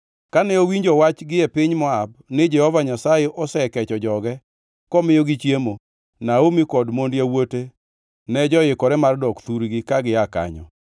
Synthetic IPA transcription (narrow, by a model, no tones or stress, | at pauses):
kanɛowiɲd͡ʒɔwat͡ʃɡɪɛpɪɲmɔabnɪd͡ʒɛhɔvaɲasajeʔɔsɛkɛt͡ʃɔd͡ʒɔɡɛ | kɔmɪjoɡit͡ʃjemo | naomikɔdmondjawote | nɛd͡ʒɔjɪkɔɾɛmardɔkt̪uɾɡɪkaɡɪaka̰ɲɔ̰